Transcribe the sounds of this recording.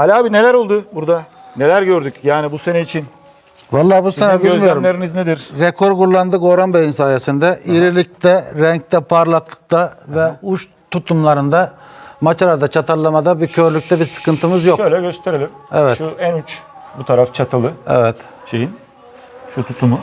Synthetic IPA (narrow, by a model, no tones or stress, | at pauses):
halʲaːbine̞lʲæɾolˠd̪ʊbuɾd̪a | ne̞lʲæɾɟøɾd̪ycjaːnibusenɛit͡ʃʰin | valˠːaːbusenɛbiløzmijʲoɾumlʲeɾinizned̪iɾɾekʰo̞ɾkuɾlˠand̪ɯɡo̞ːɾanbejinsaːjesind̪ɛʔiɾilʲic̚t̪ɛɾɛɲc̚t̪ʰɛpʰaɾlˠaklˠɯ̥k̚t̪avɛuʃ | t̪ʰut̪ʰumlˠaɾɯnd̪amat͡ʃʰalˠaɾd̪at͡ʃʰat̪ʰaɾlˠamad̪abiɾcʰø̞ɾlʲyc̚ʲt̪ʰɛbiɾsɯ̥kɯnt̪ʰɯmɯzjokʃøjlʲɛɟøst̪ʰe̞ɾelʲimḛvɛtuænyt͡ʃbut̪ʰaɾaft͡ʃʰat̪ʰɯlˠɯɛ̰vɛt̪ | ʃejin | ʃut̪ʰut̪ʰumu